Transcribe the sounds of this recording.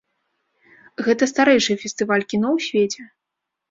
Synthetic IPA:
ɣɛt̪ɐst̪aɾɛjʂɨjɛfʲɛsʲt̪ɨvalʲkʲinɔwsʲvʲet͡sʲɛ

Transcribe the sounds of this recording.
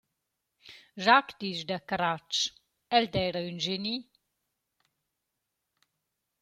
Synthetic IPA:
ʒakd̪iːʃd̪əkɾat͡ʃ | ɛld̪ɛjɾəynʒeni

